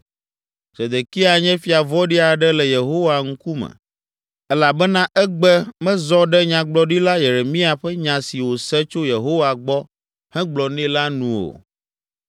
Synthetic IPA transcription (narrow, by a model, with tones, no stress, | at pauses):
z̥e˨d̪e˨ki˦a˨ɲɛ̃˦fi˨a˨vɔ˦ɖi˦a˨ɖɛ˦lɛ˨je˨ɦo˦wa˨ŋ̩˦ku˦mɛ̰˨ | ɛ˦la˨bɛ˦nã˦ʔɛ˦ɡ͡bɛ˦mɛ̃˦zɔ˦ɖɛ˦ɲã˨ɡ͡blɔ˨ɖi˦la˦je˨ɾe˨mĩ˦a˨ɸɛ˦ɲã˨si˨wo˨sɛ˦t͡ʃo˦je˨ɦo˦wa˨ɡ͡bɔ˦ | hɛ̃˦ɡ͡blɔ˨nɛ̃˦la˦nũ˨wo̰˨